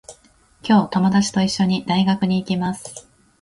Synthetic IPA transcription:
kʲo̞ːt̪o̞mo̞d̪at͡ɕi̥t̪o̞iɕːo̞ɲ̟id̪aiɡakɯ̟ɲ̟iːkʲimasɨ̥

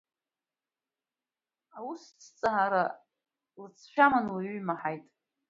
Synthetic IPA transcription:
awust͡sʰt͡sʼaɦaɾa | lɨt͡sʰʃᶣamanwaɥɥmaħajtʼ

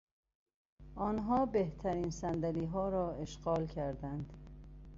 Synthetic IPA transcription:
ʔɒːnɦɒːbeht̪ʰæɾiːnsænd̪æliːɦɒːɾɒːeʃɢɒːlcʰæɾd̪ænd̪̥

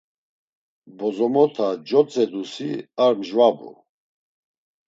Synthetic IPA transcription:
bɔzɔmɔt̪ʰad͡ʒɔt͡sʼɛd̪usiaɾmʒvabṵ

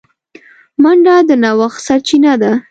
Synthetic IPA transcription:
maɳɖad̪ənawaxsaɾt͡ʃinad̪a

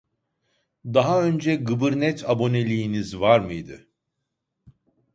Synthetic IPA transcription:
d̪aɦaø̞nd͡ʒɛɡɯbɯɾnɛt̪ʰabo̞ne̞lʲiːnizvaɾmɯjd̪ɯ̰

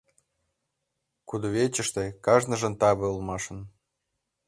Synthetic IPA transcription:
kud̪oβet͡ɕə̆ʃt̪ĕkɑʒnə̆ʒə̆nt̪ɑβɤ̆ulmɑʃə̆n

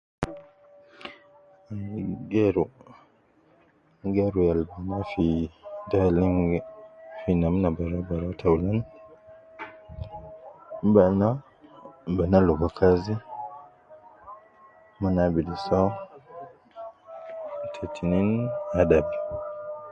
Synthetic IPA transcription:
aɡɛɾɔ | ɡaɾujalbanafidaliŋɡfinamnabaɾabaɾatʰawlan | bana | banalɔbakʰazi | manabidisa | tʰetʰininadabɛ

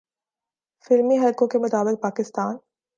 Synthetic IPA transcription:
fɪlmiɦɐlkõkemʊt̪aːbɪk̚paːkɪst̪aːn

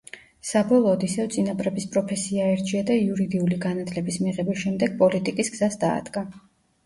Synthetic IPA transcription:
sabɔlˠɔːd̪isɛvt̪sʼinapʼɾɛbispʼɾɔpʰɛsiaɛɾd͡ʒʰiad̪aiuɾid̪iuliɡanat̪ʰlɛbismiʁɛbisʃɛmd̪ɛɡ̥̚pʼɔlit̪ʼikʼisɡz̥asd̪a̰ːd̪̥ɡa

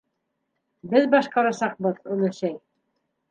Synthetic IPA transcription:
bɘðbɑʃqɑɾɑsɑq̚bɤðɵ̆lˠɘ̆ʃæj

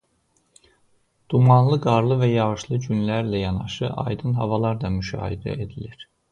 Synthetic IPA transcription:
d̪̥umɑnlˠɯɡɑɾlˠɯvæjɑɣɯʃlˠɯɟynlæɾlæjɑnɑʃɯʔɑ̰jd̪ɯnɦɑvɑlˠɑɾd̪ɑmyʃɑ̰ːhḭd̪æ̰ed̪iliɾ̥

